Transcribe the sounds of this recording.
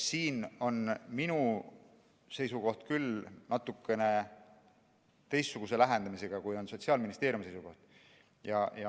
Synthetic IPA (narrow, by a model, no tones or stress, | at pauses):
siːno̞nminu | se̞jsuko̞ht̪kylnɑt̪ːˑukːˑe̞ne̞ | t̪e̞jst̪ːsuɡ̥us̬e̞læɦe̞nd̪ɑmise̞ɡ̥ɑkujo̞nso̞t̪ʲsiɑːlminist̪e̞ːɾjumsejsuko̞ht̪ | jɑjɑ